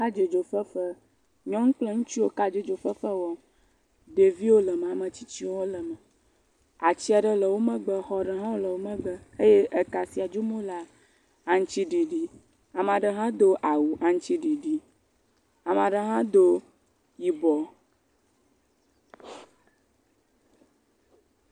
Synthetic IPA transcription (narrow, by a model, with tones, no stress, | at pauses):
ka˦d͡ʒe˨d͡ʒo˨fə˦fə˦ | ɲɔ̃˦ŋũ˦k͡plɛ˦ŋũ˦t͡ʃi˦wo˦ka˦d͡ʒe˦d͡ʒo˨fə˦fə˦wɔ˦ | ɖe˨vi˦wo˦lə˨m˨a˨mə̃˨t͡ɕi˦t͡ɕi˦wɔ˦lə˨mə̃˨ | a˨t͡ɕi˦a˨ɖə˦lə˨wo˦mə̃˦ɡ͡bə˨xɔ˦ɖə˨ɦã˦wo˦lə˨wo˦mə̃˦ɡ͡bə˦e˦je˦ʔə˨ka˨si˨a˨d͡ʒu˦mõ˦la˨ | a˨ŋ̩˦t͡ʃi˦ɖi˨ɖi˦ | a˨m˨a˨ɖə˨ɦã˦d̪o˦ʔa˨wu˨ʔa˨ŋ̩˦t͡ʃi˦ɖi˨ɖi˦ | a˨m˨a˨ɖə˨ɦã˦d̪o˦ | ji˨bɔ˨